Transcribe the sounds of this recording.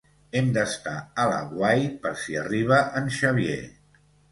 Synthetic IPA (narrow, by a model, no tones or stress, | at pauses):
ɛmd̪əst̪aəlaə̰ɣwajpəɾsiəriβ̞əʔənʃəβ̞jḛ